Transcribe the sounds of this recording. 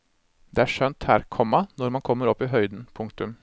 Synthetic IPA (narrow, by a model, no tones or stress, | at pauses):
d̪̥ɛæːʂœnt̪hæːɾkʰɔmːɑnɔɾmɑnkʰɔmːəɾɔpːiɦœʏd̪n̩pʰʊŋkt̪ʉm